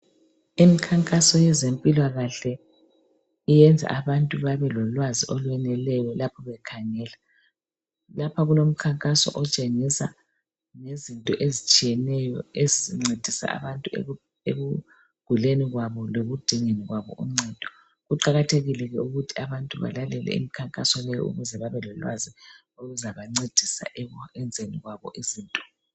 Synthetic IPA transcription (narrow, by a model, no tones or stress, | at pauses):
imikʰaŋkʼasɔjɛzempʼilwaɣaɬɛ | ijɛnd͡zʱa̰ʔaβantʼuβaβɛlɔlwaziʔɔlwɛnɛlɛjɔlapʰɔβɛkʰaŋɛːla | lapʰaɣulom̩kʰaŋkʼasɔ̰ʔɔt͡ʃʼeŋisa̰ | nezintʼɔʔezit͡ʃʼijɛnɛjɔeziiŋ͡ǀed̥ʱisa̰a̰βantʼu | eɣu | ɡ̥ʱuleniɣwaβɔloɣud̥ʱiŋeniɣwaβɔ̰ʔum̩ŋ͡ǀɛd̥ʱɔ̥ | ɣuǃaɣatʰeɣilɛɣɛuɣutʰiaβantʼuβa̰lalɛlɛ̰ḭmikʰaŋkʼasɔlɛjɔ̰ṵɣuzɛβaβɛlɔlwa̰zi | oɣuzaβaŋ͡ǀed̥ʱisa̰ʔɛɛnd͡zʱeniɣwaβɔʔiziːntʼɔ̥